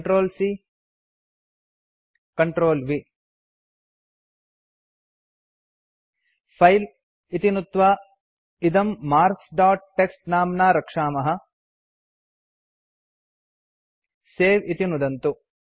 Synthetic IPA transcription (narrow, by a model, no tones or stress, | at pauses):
ʈɾoːlsi | kɐɳʈɾoːlʋi | pʰɐjl | it̪inut̪ʋaː | id̪ɐmːaːɾksɖaːʈ̚ːeksʈnaːmnaːɾɐkʂaːmɐɦɐ | seːʋit̪inud̪ɐnt̪u